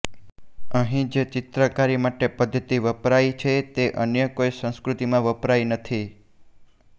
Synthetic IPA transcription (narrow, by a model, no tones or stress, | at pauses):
əɦĩd͡ʒet͡ʃɪt̪ɾəkaɾimaʈepəd̪ʱːət̪iʋəpɾajt͡ʃʰet̪eʔənjəkoijsə̃skɾut̪imãʋəpɾajnət̪ʰi